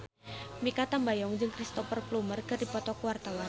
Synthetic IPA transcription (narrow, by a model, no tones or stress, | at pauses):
mikat̪ambajɔŋd͡ʒɨŋkɾist̪ɔfərklumərkɨrdipɔt̪ɔkwart̪awa